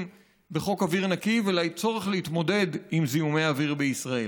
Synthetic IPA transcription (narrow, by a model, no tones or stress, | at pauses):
m | be̞χo̞kaviʁnakivelajt͡so̞ʁe̞χlehit̪mo̞de̞dimziume̞javiʁbeisʁae